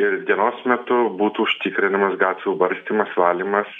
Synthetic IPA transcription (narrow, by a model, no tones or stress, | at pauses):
ɪɾd̪ʲiɛnoːsmʲɛt̪ʊbuːt̪uːʊʃʲt̪ʲɪkɾʲɪnɐmɐsɡɑːt̪ʲʋʲubɐɾʲsʲt̪ʲiːmɐsʋɑːlʲiːmɐs